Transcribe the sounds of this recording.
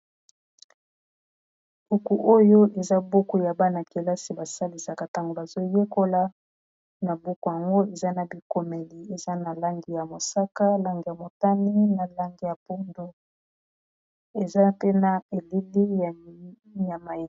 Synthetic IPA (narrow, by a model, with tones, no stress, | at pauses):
u˨ku˨ʔo˦jo˦ʔe˨za˦bo˦ku˦˨ja˨ba˦na˨ke˨la˦si˨ba˨sa˦li˨sa˨ka˨ta˦ŋɡo˨ba˨zo˦je˦ko˦la˦ | na˨bo˦ku˨ja˨ŋɡo˦e˨za˦na˨bi˨ko˨me˨li˨e˨za˦na˨la˦ŋɡi˨ja˨mo˨sa˦ka˦la˦ŋɡi˨ja˨mo˨ta˦ni˦na˨la˦ŋɡi˨ja˨po˦ndo˦ | e˨za˦te˦na˨e˨li˦li˦˨ | ja˨ma˨e˨